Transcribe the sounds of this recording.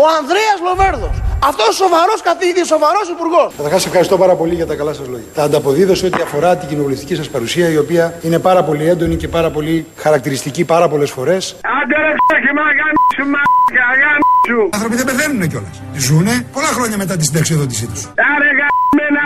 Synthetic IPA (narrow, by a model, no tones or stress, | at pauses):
oɐnðɾeɐzlo̞ve̞ɾðo̞sɐft̪o̞sso̞vɐɾo̞skɐθiðiso̞vɐɾo̞sipuɾɣo̞skɐt̪θɐɾxɐsːe̞fxɐɾist̪o̞pɐɾɐpo̞liʝɐt̪ɐkɐlɐsɐzlo̞ʝɐt̪ɐːnd̪ɐpo̞ðiðoseo̞t̪iɐfo̞ɾɐt̪iɟino̞vule̞ft̪icisɐspɐɾusiɐio̞piɐine̞pɐɾɐpo̞liend̪o̞nice̞pɐɾɐpo̞lixɐɾɐk̚t̪iɾist̪icipɐɾɐpo̞le̞sfo̞ɾe̞sɐd̪eɾɐpsoçimɐɣɐmisumɐkɐɣɐmisuɐnθɾo̞piðebeθenuneco̞lest̪izunepo̞lɐxɾo̞ɲɐme̞t̪ɐt̪̬isd̪ɐksioðo̞t̪isit̪usɐɾeɣɐmenɐ